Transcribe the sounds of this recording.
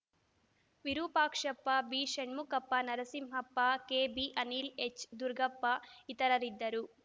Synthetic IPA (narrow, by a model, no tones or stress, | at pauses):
ʋiɾuːpaːkʂɐpːɐbiːʃeɳmukɐpːɐnɐɾɐsimɦɐpːakeːbiːʔɐniːlet͡ʃd̪uɾɡʱɐpːait̪ɐɾɐɾid̪ːɐɾu